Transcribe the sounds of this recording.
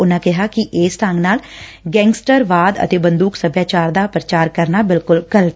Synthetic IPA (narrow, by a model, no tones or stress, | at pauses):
ʊnãːkɪɦaːkɪʔeːsʈ̪ãːŋɡnaːl | ɡɛ̃ːŋɡsʈəɾʋaːd̪ə̰t̪eːbə̃nd̪uːksəbjaːt͡ʃaːɾd̪aːpɾət͡ʃaːɾkəɾnaːbɪlkʊlɡəlʈ